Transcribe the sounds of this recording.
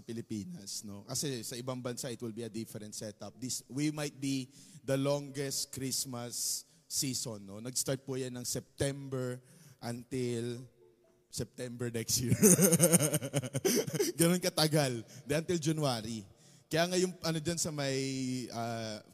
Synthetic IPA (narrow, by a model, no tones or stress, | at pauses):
sɐpɪlɪpiːnɐ̰sno̞kɐsɛsɐʔɪbaŋbɐnsaʔɪt̪wɪlbiɐd̪ɪfɛɾɛnt̪sɛt̪ɐp̚d̪iswimɐjt̪̚bid̪ɐloŋɡɛst̪̚kɾismɐsː | isonːonɐɡst̪aɹt̪̚pujanːɐŋsɛp̚t̪ɛmbɛɹ | ʔɐnt̪ɪl | sɛp̚t̪ɛmbɛɹnɛkst̪jiɹ | ɡɐnonkɐt̪ɐɡald̪ɛʔɐnt̪ɪld͡ʒɐnuaːɾi | kɐjaːŋɐjʊŋʔɐnod͡ʒɐnsɐmɐjʔɐ